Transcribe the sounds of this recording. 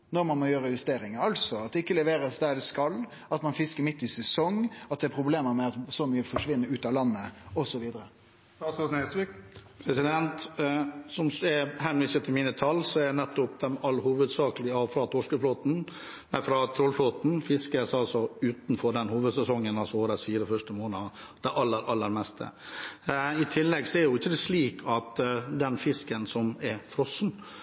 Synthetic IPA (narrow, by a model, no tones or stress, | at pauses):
nɔɾmɑnmɔjøːɾəjʉst̪eːɾɪŋəɑlsɔɑt̪̚d̪ɛɪkːəlɛʋeːɾəsd̪æɾd̪ɛskɑlː | ɑt̪mɑnfɪskəɾmɪt̪ːɪsɛsɔŋɑt̪̚d̪ɛæpʰɾʊbleːməɾmɛɑt̪sɔmyːəfɔʂʋɪnːəɾʉːt̪ɑlɑnːəɔsɔʋiːd̪əɾə | ɑsotnɛsʋikpʰɾɛsɪd̪ɛnt̪ | sɔmsɛhɛmlɪsət̪ʰːɪlmiːnət̪ʰɑlːsɔɛænɛt̪ːʊpd̪ɛmɑlːhuːʋəd̪sɑːklɪɑʋfɾɑːt̪ʰoʂkəfloːt̪n̩ | æfɾɑt̪ʰɾɔlfloːt̪n̩fɪskəsɑlsɔʉːt̪n̩fɔɾɖ̪ɛnhuːʋəd̪sɛsɔŋːənɑlsɔoːɾɛsfiːɾəfœʂʈəmoːnə | d̪̥æʔɑlːəɾʔɑlːəɾmɛst̪ʰə̰ | ɪt̪ʰɪlːɛɡsɔɛɾjʊɪçːəd̪ɛsliːkʰɑt̪d̪ɛnfɪskənsɔmɛfɾɔsn̩